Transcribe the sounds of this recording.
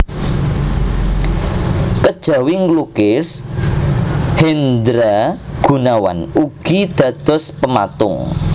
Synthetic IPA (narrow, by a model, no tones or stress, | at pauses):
kəd̥ʒ̥ä̤wiŋɡlukɪs | hend̪ɾaɡ̥ṳnawa̰nuɡ̥id̪̥ä̤d̪̥ɔ̤spəma̰t̪ʊ̰ŋ